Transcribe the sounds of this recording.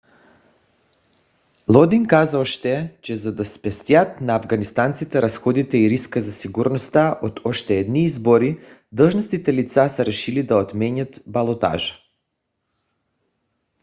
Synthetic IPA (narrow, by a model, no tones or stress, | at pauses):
lˠɔd̪iŋkazaoʃt̪ɛt͡ʃɛzad̪aspɛst̪jat̪naːvɡanist̪ant̪sit̪ɛɾasxɔd̪it̪ɛiɾiskazasiɡuɾnost̪aʔot̪ʰɔʃt̪ɛɛd̪niizboɾid̪lˠʒnast̪it̪ɛlit̪sasɛɾɛʃilid̪aot̪mɛɲat̪balˠot̪a̰ʒḁ